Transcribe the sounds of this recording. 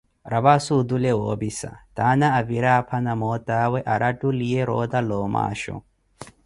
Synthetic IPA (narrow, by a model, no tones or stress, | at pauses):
ɾɐbasud̪ulewoːbisa̰t̪aːnaːviɾaːpʰɐnɐmoːt̪aːwɛʔɐɾʔɐʈulijeɾoːd̪ɐloːma̰ːʃṵ